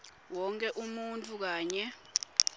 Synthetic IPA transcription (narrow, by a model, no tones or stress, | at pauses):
wɔŋkʼɛʔumuntʼuk̬aːɲɛ